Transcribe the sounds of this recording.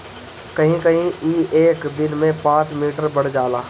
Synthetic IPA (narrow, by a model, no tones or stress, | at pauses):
kɐɦĩkɐɦĩiːʔeːkd̪ɪnmẽpãːt͡ʃmiːʈəɾbɐɽ̤d͡ʒaːlaː